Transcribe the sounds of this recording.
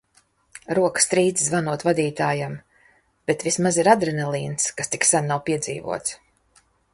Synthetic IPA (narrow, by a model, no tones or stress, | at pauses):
ɾuɔkst̪ɾiːd̪zzvanuɔt̪vad̪iːt̪aːjam | b̥et̪vʲismaziɾad̪ɾɛnɛlˠiːnskast̪iksannːawpiɛd̪zḭːvṵɔt̪s